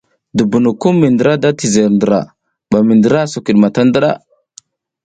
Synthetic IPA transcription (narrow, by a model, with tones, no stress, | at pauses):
du˨bu˨nu˨ku˦mːi˨ndə˨ɾa˦da˦ti˨ze˨ɾndə˨ɾa̰˨ | ɓa˨mi˨ndə˨ɾa˦su˨ki˨ɗma˨ta˦ndə˦ɾa̰˦˨